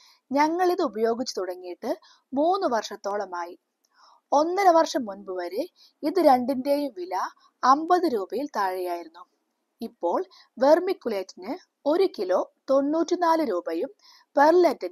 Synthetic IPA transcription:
ɲɐŋːɐɭiðɨubɐjo̞ːɡit͡ɕːɨ̥t̪uɽɐŋːijiʈːɨ | muːnːɨʋɐrʂɐt̪ːo̞ːɭɐmaːji | o̞nːɐɾɐʋɐrʂɐmːunbɨʋɐɾe | iðɨɾe̞ɳɖinde̞ːjumʋilɐː | mbɐðɨɾuːbɐjilt̪ɐɻijaːjiɾunːu | ipːo̞ːɭ | ʋe̞rmikːuɭe̞ːtːinɨ | o̞ɾukilo̞t̪o̞nːuːtːinaːlɨɾuːbɐjum | pe̞rletːin

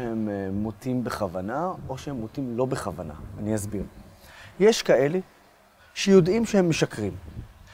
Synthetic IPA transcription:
ehemːotimbeχavanao̞ʃehemːot̪imlo̞beχavana̰ːniazbiʁjeʃkae̞le | ʃejo̞dʔimʃehemːeʃakʁim

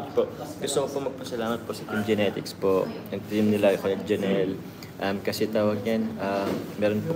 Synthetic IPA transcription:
poʔɡ̥ʊst̪ʊkopomɐɡ̚pɐsɐlaːmɐt̪̚posɐt̪imd͡ʒɛnɛt̪ɪkspoʔɛt̪jɪmnɪlaɐkojɐk̚d͡ʒɐnɛl | ʔɐmkɐsɛt̪aːwɐɡ̚ɲanʔamɛːɾonpo

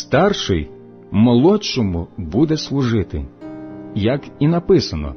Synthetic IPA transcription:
st̪ɑrʃɪj | mɔlˠɔt͡ʃːɔmʊbud̪ɛslˠʊʒɪt̪ɪ̰ | jɐkinɐpɪsɐnɔ̰

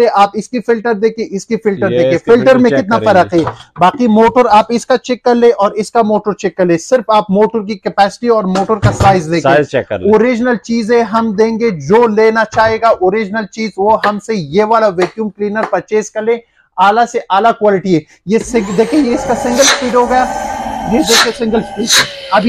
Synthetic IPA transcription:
eʔaːpɪskifɪlʈəɾd̪eːkʰieʔɪskifɪlʈəɾd̪eːkʰiefɪlʈəɾmẽkɪt̪nafɐɾəqeːbaːqimoːʈəɾaːpɪskat͡ʃɪkːɐɾlẽʔɔːɾɪskamoːʈəɾt͡ʃɛkːɐɾlẽːsɪɾfaːpmoːʈəɾk̬ikɛpɛːsɪ̥ʈiɔːɾmoːʈəɾkasaːɪzlẽːoːɾɪd͡ʒnəlt͡ʃiːzẽɦɐmd̪ẽːŋɡed͡ʒoːleːnat͡ʃaːɦeːɡaʔoːɾɪd͡ʒnəlt͡ʃiːzʋoɦɐmsejeːʋaːlaʋeːkjũːmkliːnəɾpɐɾt͡ʃeːskɐɾlẽː | aːlaseʔaːlakwaːlɪʈiɦẽː | jesɪ̃d̪eːkʰiẽjeɪskasɪ̃ŋɡəlspiːɖɦoɡɐjaːjed̪eːkʰẽsɪ̃ŋɡəlspiːɖɛɐbʱi

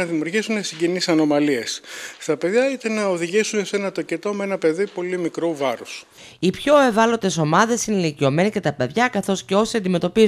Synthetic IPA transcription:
ɐðimiuɾʝisunesiɟenisɐno̞mɐlie̞sst̪ɐpe̞ðjɐit̪enɐoðiʝisunese̞nɐt̪o̞cet̪o̞mee̞nɐpe̞ðipo̞limikɾuvɐɾos | ipço̞e̞vɐlo̞t̪e̞so̞mɐðe̞sinelicio̞me̞nicet̪ɐpe̞ðʝɐkɐθo̞sceo̞siɐnd̪ime̞t̪o̞piz

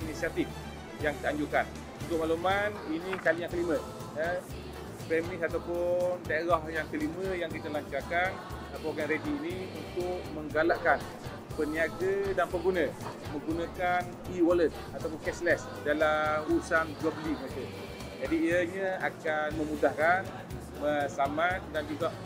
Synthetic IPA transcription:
inisiat̪if | jaŋt̪aaɲd͡ʒukan | unt̪ʊk̚malumaninikalijaŋkəlimə̃ | ə | pɛmnɪsat̪awpʊndaeɾahjaŋkəliməjaŋkit̪əlaɲt͡ʃarkan | apawkanɾediːniunt̪ʊk̚məŋɡalaʔkan | pəniaɡədanpəɡunə̃mə̃ŋɡunãkan | iwɔlət̪̚ | at̪awp̬ʊnkɛslɛs | dalamusand͡ʒɔbliməɾekə | d͡ʒadiiəɲəakanməmudahkan | məsamandand͡ʒuɡaʔ

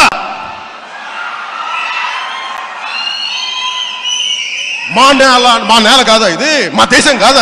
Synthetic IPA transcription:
maːnɛːlamaːnɛːlɐkaːðaːjɪðɯmaːd̪ɛːsɐŋkaːðaː

